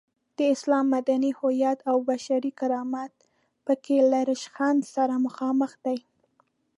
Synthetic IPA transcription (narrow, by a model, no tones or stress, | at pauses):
d̪̥əɪslɑmːad̪anihʊjɑt̪awbaʃaɾikaɾɑmat̪̚ | pəkelaɾɪʃxand̪saɾaməxɑməxd̪aj